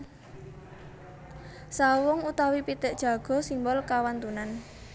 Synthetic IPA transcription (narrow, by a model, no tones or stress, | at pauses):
sawʊŋut̪awipit̪əʔd̥ʒ̥ä̤ɡ̥ɔ̤simbɔlkawant̪unan